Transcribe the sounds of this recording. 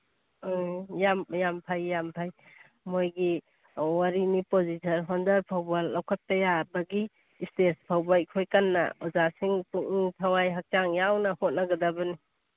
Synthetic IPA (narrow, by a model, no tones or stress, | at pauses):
jamjampʰajːampʰaj | mojɡi | waɾinipozisʰɐnɦɔndɐɾpʰawbalːawkʰat̚pɐjabɐɡiː | stespʰawbakʰojkanːɐ̰ɔzasiŋtuŋiŋtʰawajɦak̚t͡ʃaŋjawnɐhot̚naɡɐdabɐni